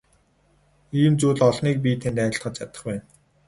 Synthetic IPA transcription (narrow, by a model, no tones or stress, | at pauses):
iːmt͡suːɮɔɮniːk̚pʲit̪ʰent̪æːɪ̆ɬt̪χə̆t͡ɕ̪t͡ɕʰat̪ə̆χpæːn